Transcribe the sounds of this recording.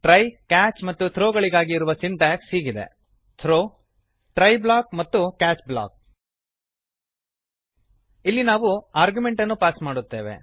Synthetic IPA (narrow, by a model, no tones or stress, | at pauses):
ʈɾɐjkaːt͡ʃmɐt̪ːut̪ʰɾoːɡɐɭiɡaːɡiːɾuʋɐsinʈ̪aːkshiːɡid̪ḛ | t̪ʰɾoː | ʈɾɐjblaːk̚mɐt̪ːukaːt͡ʃbla̰ːk̚ | ilːinaːʋuaːɾɡjume̞ɳʈɐnːupaːsmaːɽut̪ːe̞ːʋe̞̰